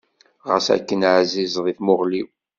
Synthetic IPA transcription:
ʁəsæ̰kːənʕzizðˤiθmʊʁliw

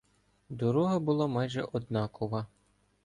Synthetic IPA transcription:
d̪ɔɾɔɦɐbʊlˠɑmɑjʒɛʔɔd̪nɑkɔʋɐ

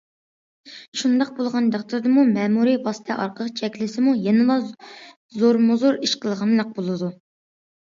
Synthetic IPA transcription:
ʃund̪ɑq̚bolˠʁɑnd̪ɑq̚t̪ʰuɾd̪ɨmumɛːmuɾiwɑsɨ̥t̪ʰɛʔɑɾqʰəʁt͡ʃʰɛkʲlɪsɪmujenɨlˠɑ | zoɾmuzoɾiʃqʰəlˠʁɑmlˠɑq̚bolˠɨd̪u

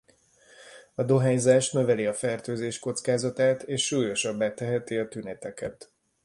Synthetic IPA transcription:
ɒd̪o̞ɦɛɲzaːʃnø̞vɛliɒfɛrt̪øːzeːʃko̞t̪skaːzɒt̪aːt̪eːʃːuːjo̞ʃɒbːaːt̪ɛɦɛt̪iɒt̪ynɛt̪ɛkɛt̪

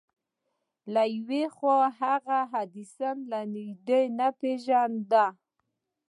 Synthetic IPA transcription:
lajwexwaɦaɣaɦad̪isanlanid̪əjnapeʒand̪a

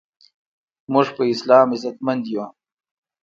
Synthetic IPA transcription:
mʊʐpəɪslɑːmizɐt̪mand̪juwa

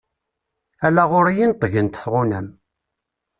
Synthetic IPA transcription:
ælːæʁʊɾijint̪ˤːəʝənt̪θʁʊnæm

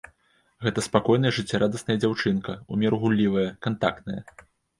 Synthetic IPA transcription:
ɣɛt̪ɐspakɔjn̪ɐjɐʐɨt͡sʲːaɾʔad̪ɐsnɐjɐd͡zʲawt͡ʂɨnkɐumʲɛɾɣulʲːivɐjɐkant̪a̰k̚t̪nɐjɐ̰

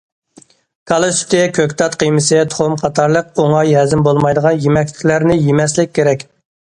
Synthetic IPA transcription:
kʰɑlˠesy̥t̪ɪkʲʰøkʲt̪ʰɑt̪qəjmɨsɨt̪ʰo̥χʊmqʰɑt̪ʰɑɾlˠəqoŋɑjɦɛzɪmbolˠmɑjd̪əʁɑnjemɛkʲlɪ̥kʲlæɾnɪjemɛs̬lɪk̚ʲʰːeɾɛkʲ

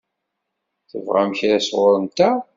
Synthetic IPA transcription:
θə̰vʁa̰mçɾæsʁʊɾənt̪æ

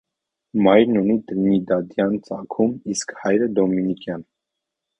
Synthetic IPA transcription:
mɑjɾnunit̪ɾimid̪ɑd̪jɑnt͡sɑkʰumiskhɑjɾəd̪ɔminikjɑn

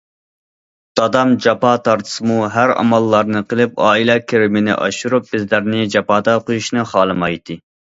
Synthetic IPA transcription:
d̪̥ɑd̪ɑmd͡ʒɑpɑt̪ʰɑɾt̪ʰɨ̥sɨmuɦæɾɑ̰mɑlˠːɑɾnɨqʰəlˠɪpɑːilɛkʲʰeɾɪmɪnɪ̰ʔɑ̰ʃuɾup̚bɪzlæɾnɪd͡ʒɑpɑːd̪ɑqojuʃnɨχɑːlˠɨmɑjt̪ʰɨ

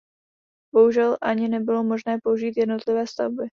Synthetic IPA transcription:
b̥o̞ɦuʒɛlʔaɲɪnɛbɪlo̞mo̞ʒnɛːpouʒiːt̪jɛdno̞t̪lɪvɛːst̪avbɪ

